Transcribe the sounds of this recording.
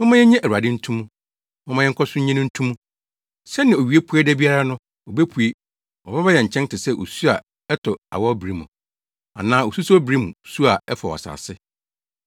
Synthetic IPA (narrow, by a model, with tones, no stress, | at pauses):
mɔ̃˦mã˦jɛ˦ɲɛ̃˦ʔæ˨a˨dɪ˦n̩˦tʰũ˦mũ˦ | mɔ̃˦mã˦ɛ˦ŋ̩˦kʰɔ˦sʊ̃˦ɲɛ̃˦nʊ̃˦n̩˦tʰũ˦mũ˦ | sɛ˦nɪ̃˨o˨ɥi˨e˦pʰu˦ɛ˦dɛ˦bi˦a˦ɾa˦nʊ̃˦ | o˨be˦pʰu˨e˦ | ɔ˨ba˦bɛ˦jɛ˨ɲ̩˨t͡ɕʰɛ̃˦n˦tɪ˨sɛ˦ʔo̰˨su˦a˨ | ɛ˦tʰɔ˨a̰˨wɔ˦bɾi˦mʊ̃˨ | a̰˨nãː˦o˨su˦sɔ˦bɾi˦mũ˨su˦a˨ɛ˦fɔ˨ɔ̰˨sa̰ː˨sɪ˦